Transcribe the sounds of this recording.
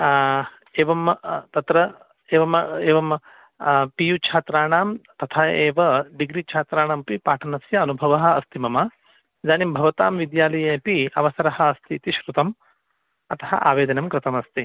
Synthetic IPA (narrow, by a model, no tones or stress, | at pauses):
eːʋɐmt̪ɐt̪ɾɐ | eːʋɐmeːʋɐm | pijut͡ʃʰaːt̪ɾaːɳaːmt̪ɐt̪ʰaːeːʋɐɖiɡɾit͡ʃʰaːt̪ɾaːɳaːmpipaːʈʰɐnɐsjɐɐnubʱɐʋɐɦɐ̆ɐst̪ʰimɐmɐ | zaːnimbʱɐʋɐt̪aːmʋid̪jaːlɐjeːpiɐ̰ʋɐsɐɾɐhɐ̆ːst̪ʰit̪iʃɾut̪ɐm | ɐt̪ɐ̥ɦɐ̰ʔa̰ːʋeːd̪ɐnɐmkɾɪt̪ɐmɐst̪i